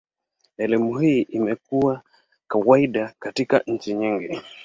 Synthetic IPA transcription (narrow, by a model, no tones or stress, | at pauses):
ɛlimuhiːʔimɛkuwa | kawaiɗakatika̰ɲ̩t͡ʃiɲiŋɡi